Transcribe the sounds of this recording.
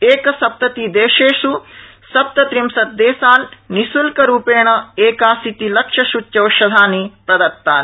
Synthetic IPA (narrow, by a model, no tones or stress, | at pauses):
eːkɐsɐp̚t̪ɐt̪id̪eːʃeːʂu | sɐp̚t̪ɐt̪ɾimsɐt̪̚d̪eːsaːnnisulkɐɾuːpeːɳɐeːkaːsit̪ilɐkʂɐʃut͡ʃjɐwʃɐd̪ʱaːnipɾɐd̪ɐɾ̚t̪ːaːn